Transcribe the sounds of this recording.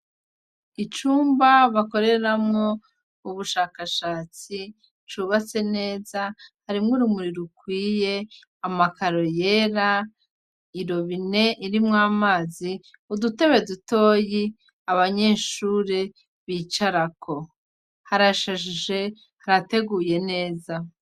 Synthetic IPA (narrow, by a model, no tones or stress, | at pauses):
it͡ʃuːmbaβako̞ɾe̞ɾamŋo̞ | uβuʃaːkaʃaːt͡si | t͡ʃuβat͡se̞ne̞ːzahaɾimŋuɾumuɾiɾukwiːje̞ | amakaɾo̞je̞ːɾa | iɾo̞βine̞ʔiɾimŋaːmaːzi | udute̞βe̞duto̞ːji | aβaɲe̞ːʃuːɾe̞ | βit͡ʃaɾakʰo̞ | haɾaʃaʒiʒe̞ | haɾate̞ɡuːje̞ne̞ːza